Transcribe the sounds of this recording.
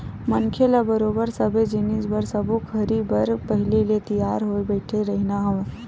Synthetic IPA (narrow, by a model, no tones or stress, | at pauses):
mənkʰelabəɾoːbəɾsəbed͡ʒɪnisbəɾsəbokʰəɾibəɾpəɦɪlilet̪əjaːɾɦoebəɪʈʰeɾəɦɪnaɦəʋ